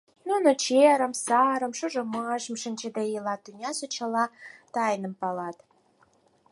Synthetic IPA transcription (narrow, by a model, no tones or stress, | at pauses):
nunot͡ɕeɾə̆msɑɾə̆mʃoʒomɑʒə̆mʃə̆nʲt͡ɕə̆d̪ejəlɑt̪ynʲɑsut͡ɕɑlɑt̪ɑjnə̆mpɑlɑt̪